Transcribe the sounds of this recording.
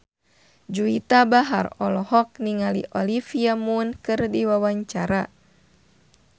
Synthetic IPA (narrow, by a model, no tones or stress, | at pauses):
d͡ʒuit̪abaɦa̰rɔlɔhɔk̚niŋalḭʔɔlifiamunkɨrdiwawaɲt͡ʃaɾa